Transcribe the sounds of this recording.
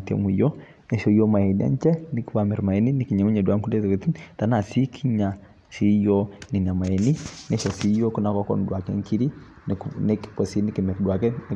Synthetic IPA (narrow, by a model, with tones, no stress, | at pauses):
tɛ̰˨mu˨jɔ˦ | nɛ˦ʃɔ˦jɔ˦ma˨ɛ˨nia̰˦nt͡ʃɛ˦ni˦kwa˨mɛ˨ɾma˨ɛ˨ni˦ni˨ki˨ɲa˨mu˦ɲɛ˨dwa˦ŋku˦dɛ˦tɛ˨kɛ˨t̪i˦nt̪a˨na˨si˦kʰi˦ɲa˨ | si˦jɔ˦ni˨n˨a˨ma˨ɛ˨ni˦nɛ˦ʃɔ˨si˦jɔ˦ku˦na˨kɔ˦kɔ̰˨n˨dwa˨kɛ̰˦ŋki˦ɾi˦ | nnɛkkɔ˨si˦ni˦ki˨mɛ˨ɾdwa˨kɛ˦n˦